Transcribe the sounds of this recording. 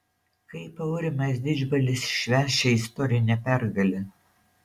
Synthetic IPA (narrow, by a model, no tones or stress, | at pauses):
kɐɪpɐʊɾʲɪmɐsʲd̪ʲɪd͡ʒbɐlʲɪsʃʲʋʲæːʃʲɛɪst̪ɔɾʲɪnʲɛpʲæɾɡɐlʲɪ